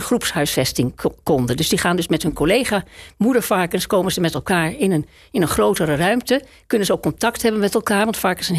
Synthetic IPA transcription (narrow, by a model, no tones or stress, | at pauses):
χrupsɦœɥsfɛstɪŋkɔndəndɵzdiχaːndɵsmɛtɦɵnkolejχaːmudəɹfɑɹkənskowmənzəmɛtɛlˠkaːɹɪnən | ɪnənχrowtərərœɥmtə | kɵnənzəowkːɔntɑktɦɛbənmɛtɛlˠkaːɹʋɑntfaːkɪsən